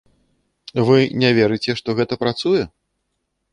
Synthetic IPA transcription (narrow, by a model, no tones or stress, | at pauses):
vɨnʲavʲɛɾɨt͡sʲɛʂt̪ɔɣɛt̪ɐpɾat̪sujɛ